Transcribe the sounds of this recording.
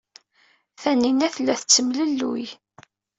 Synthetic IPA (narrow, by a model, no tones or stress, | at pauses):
θæninæθlːæθət͡sːəmləlːṵj